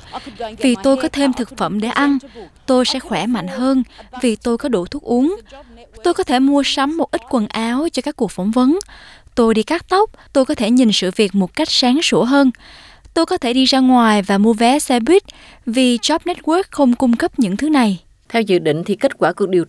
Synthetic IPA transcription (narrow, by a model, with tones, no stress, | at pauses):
vi˨˩t̪o˧jkɔ˨˦t̪ʰe˧mt̪ʰɨ˨˩k̚fə˧˩mɗe˧˩ʔa˧nt̪o˧jsɛ̰˧˥xwɛ˧˩ma̰˧˨jŋ̟ɦəː˧nvi˨˩t̪o˧jkɔ˨˦ɗṵ˧˩t̪ʰu˦˥ək̚ʔu˨˦əŋt̪o˧jkɔ˨˦t̪ʰe˧˩mu˧əsa˨˦mːo˨˩t̚ʔi˦˥t̟̚kwə˨˩nʔaː˨˦wt͡ɕɔ˧kaː˦˥kːu˨˩ək̚fə˧˩wŋ͡mvə˨˦nt̪o˧jɗi˧kaː˦˥k̚t̪ə˦˥wp̚t̪o˧jkɔ˨˦t̪ʰe˧˩ɲi˨˩nsɨ̰˧˨vi˨˩ək̚mo˨˩t̚ka˦˥jk̟̚saː˨˦ŋsu˧˩əɦəː˧n | t̪o˧jkɔ˨˦t̪ʰe˧˩ɗi˧zaː˧ŋwaː˨˩jvaː˨˩mu˧əvɛ˨˦sɛ˧ɓwi˦˥t̚ | vi˨˩t͡ɕɔ˦˥p̚nɛ˦˥t̚wə˦˥k̚xə˧wŋ͡mkʊ˧ŋ͡mkə˦˥p̚ɲɨ̰˧˥ŋt̪ʰɨ˨˦na˨˩j | t̪ʰɛ˧wzɨ̰˧˨ɗḭ̈˧˨ŋ̟t̪ʰi˨˩ke˦˥t̚kwaː˧˩ku˨˩ək̚ɗi˨˩ə